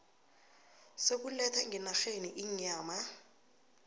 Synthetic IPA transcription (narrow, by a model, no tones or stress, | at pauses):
sek̬ulɛtʰaŋʱɛnaɬeniʔiɲaːma